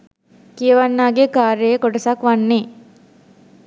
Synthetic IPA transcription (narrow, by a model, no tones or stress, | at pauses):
kijɐʋanːaːɡekaːɾejkoɔʈɐsakʋanːe